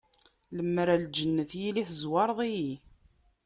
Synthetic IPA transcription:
ləmːɾæld͡ʒənːəθjiliθəzwɑɾˤðˤiji

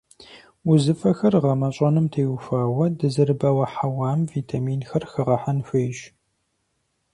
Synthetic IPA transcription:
ʊzɨfɐxɐrʁɐmɐɕʼɐnɨmtʰeːwfaːwɐdɨzɨɾɨbɐwɐħawaːmviːtʰamiːnxɐrxɨʁɐħanɕʷeːʒ

